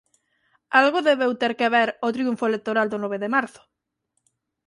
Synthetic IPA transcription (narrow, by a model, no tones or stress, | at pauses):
alɣʊðeβewt̪eɾkeβeɾot̪ɾiuɱfoelek̚t̪oɾald̪ʊnɔβeðemaɾθʊ̥